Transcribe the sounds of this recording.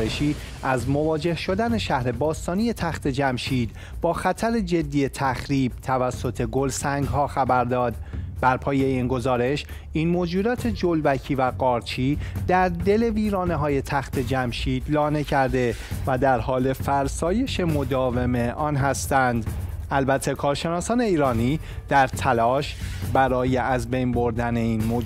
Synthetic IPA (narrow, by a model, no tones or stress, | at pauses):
eʃiː | ʔæzmo̞vɒːd͡ʒe̞hʃo̞d̪æne̞ʃæhɾe̞bɒːst̪ɒːnije̞t̪ʰæxt̪ʰe̞d͡ʒæmʃiːd̪ | bɒːxæt̪ʰæɾe̞d͡ʒe̞d̪ːiːje̞t̪ʰæxɾiːb̥̚t̪ʰævæsːo̞t̪ʰe̞ɡo̞lsæŋɡhɒːxæbæɾd̪ɒːd̪bæɾpʰɒːje̞iːnɡo̞zɒːɾe̞ʃ | ʔiːnmoːd͡ʒuːd̪ɒːt̪ʰe̞d͡ʒolbæcʰiːvæɢɒːɾt͡ʃʰiːd̪æɾd̪e̞le̞viːɾɒːneɦɒːje̞t̪ʰæxt̪ʰe̞d͡ʒæmʃiːd̪lɒːne̞cʰæɾd̪e̞væd̪æɾhɒːle̞fæɾsɒːje̞ʃe̞mo̞d̪ɒːve̞me̞ʔɒːnɦæst̪ænd̪ʔælbæt̪ʰːe̞kʰɒːɾʃe̞nɒːsɒːne̞iːɾɒːniː | d̪̥æɾt̪ʰælɒːʃbæɾɒːje̞ʔæzbe̞jnbo̞ɾd̪æne̞iːnmo